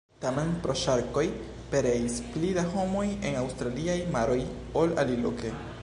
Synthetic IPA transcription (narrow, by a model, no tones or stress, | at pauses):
tame̞npɾo̞ʃaɾko̞j | pe̞ɾeisplidaɦo̞mo̞jenawst̪ɾaliajmaɾo̞j | o̞la̰lilo̰ke